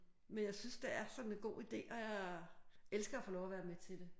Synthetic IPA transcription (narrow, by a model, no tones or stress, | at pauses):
menjɑ̈ɪsynsd̥eæɐsɒ̽ne̝nɡ̥o̝̰ːid̥e̝̰ːʔɒ̽jɑ̈ɪ | elsɡ̥ɐæfoːlɒʊɐʋæːɐmet͡sʰe̝d̥e̝